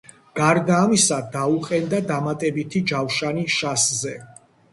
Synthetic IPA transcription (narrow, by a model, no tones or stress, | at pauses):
ɡ̥aɾd̪aːmisad̪auqʼɛnd̪ad̪amat̪ʼɛbit̪ʰid͡ʒawʃaniʃaszɛ